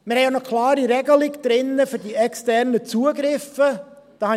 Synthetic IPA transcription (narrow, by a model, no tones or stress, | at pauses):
mɪɾhɛjanokʰlɑːɾiɾɛɡəlɪɡd̥ɾɪnːəfʏɾdiɛkstɛɾnət͡suəɡɾɪfə | d̥ɑːhɑ